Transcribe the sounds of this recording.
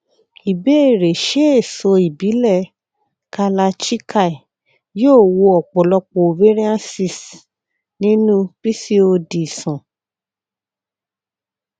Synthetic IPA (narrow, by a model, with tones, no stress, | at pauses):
i˨be˦e˦˨ɾe˨ʃe˦e˦˨so˧i˨bi˨˦lɛ˦˨ | ka˧la˧t͡ʃi˦ka˦˨i˨ | joː˦˨wo˧ɔ˨k͡pɔ˨lɔ˧k͡po˨o˨ve˦ɾi˦ã˦si˦˨s | nĩ˦nũ˦pɾi˦si˦o˧di˨sɔ̃˨